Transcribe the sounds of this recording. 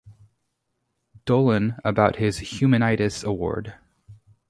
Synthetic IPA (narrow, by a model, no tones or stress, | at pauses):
d̥oʊlˠə̃nəbaʊt̚hɪz̥hjʉmɨñaɪɾɨsəwɔ̰ɹd̥